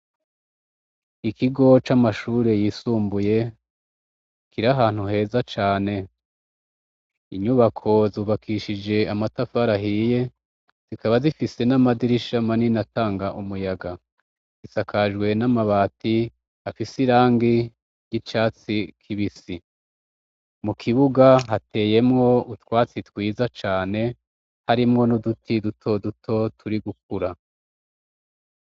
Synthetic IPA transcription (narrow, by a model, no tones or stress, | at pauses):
ikʰiɡo̞t͡ʃamaʃuːɾe̞jisuːmbuje̞ | kiɾaɦaːn̥huhe̞ːzat͡ʃaːne̞ | iɲuβakʰo̞zuːβakʰiʃid͡ʒe̞amatafaɾaɦiːje̞ | z̥ikaβazifise̞namadiɾiʃamaninataːŋɡaʔumujaɡa | z̥isakʰaʒɡwe̞namaβaːti | afisiɾaːŋɡi | jit͡ʃaːt͡sikʰiβisi | mukʰiβuɡaɦate̞ːje̞mŋo̞utwaːt͡sitwiːzat͡ʃaːne̞ | haɾimŋo̞nudutʰidutʰo̞dutʰo̞tʰuɾiɡuk̚uɾa